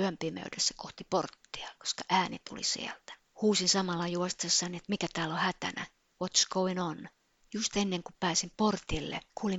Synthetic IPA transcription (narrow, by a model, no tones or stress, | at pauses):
yømpimø̰ydesse̥koht̪iport̪ːi̥ɑko̥skɑʔæːnḭt̪ṵlḭsḭælt̪æ̥ | huːsinsɑmɑlːɑjuost̪sːɑniet̪mikæt̪æːlohæt̪æ̰næ̰ | wot̪skowinon | just̪enːeŋkupæːsimport̪ilːḛkʰuːli